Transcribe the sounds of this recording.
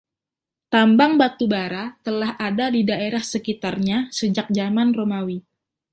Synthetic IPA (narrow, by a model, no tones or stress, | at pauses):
t̪ambaŋbat̪ubaɾat̪əlahadadidaeɾahsəkit̪arɲasəd͡ʒak̚d͡ʒamanromawi